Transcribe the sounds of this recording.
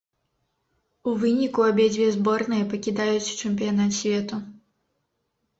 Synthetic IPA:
uvɨnʲikuabʲɛd͡zʲvʲɛzbɔrnɨjɐpɐkʲid̪ajut͡sʲt͡ʂɛmʲpʲijanat̪sʲvʲɛt̪u

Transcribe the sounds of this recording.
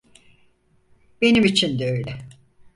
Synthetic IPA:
b̥e̞nimit͡ʃʰind̪ɛøjlʲɛ

